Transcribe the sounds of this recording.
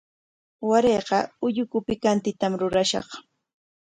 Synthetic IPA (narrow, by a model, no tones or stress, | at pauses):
waɾeːɢɑʊʎʊkʊpɪkant̪ɪt̪amɾʊɾaʃɑ̰χ